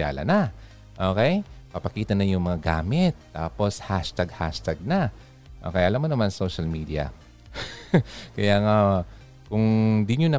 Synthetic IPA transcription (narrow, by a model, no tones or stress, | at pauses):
a̰ːlɐ̰nɐ | ʔo̞ːkɛjpɐpɐkiːt̪ɐnɐjʊŋmɐŋaɡa̰ːmɪt̪ːaːpo̞shaʃt̪aɡha̰ʃt̪ɐɡ̚na | ʔo̞̰kɛjʔɐlamːonɐmansowʃɐlmiːd̪ɪjɐ̰ | kɐjaːŋa | kʊŋd̪ɪɲonɐ